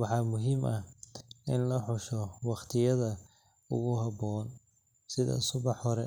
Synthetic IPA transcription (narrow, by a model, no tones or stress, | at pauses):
wɑħɑːmʊɦimʔɐ | ɪnlɐħʊʃɔwɑχt̪ʰɪjɐðɐ | ʊ̰ɣʊɦɑbɔːn | sɪðɐ̰sʊβɑħhɔɾɛ